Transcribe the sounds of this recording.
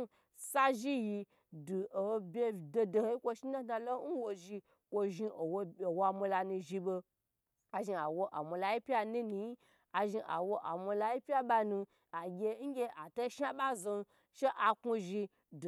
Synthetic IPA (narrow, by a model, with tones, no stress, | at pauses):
sa˦ʒi˦ji˧ | du˨o˨˧bʲe˧do˧do˧˨hi˦kʷo˧ʃi˦na˦na˧lo˦n̩˦wo˧ʒi˧ | kʷo˧ʒi˧o˨wo˨wa˧mo˧la˧nũ˧ʒi˧bo˧ | a˨ʒi˧a˨wo˧ʔa̰˨mo˧la˧ji˦pʲa˦ni˦ni˧ji˦ | a˨ʒi˧ʔa̰˨wo˧ʔa˨mo˧la˧ji˦pʲja˦ɓa˧nũ˧ | a˨ɡʲe˧˦ŋ̩˦ɡʲe˧ʔa˨to˦ʃa˦ɓa˦zo˧n | ʃe˦ʔa˨ku˧ʒi˧ | d